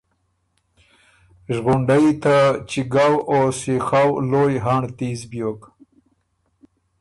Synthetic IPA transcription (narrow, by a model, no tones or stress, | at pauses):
ʒɣuɳɖajit̪at͡ʃiɡawosixawlojɦaɳt̪izbjok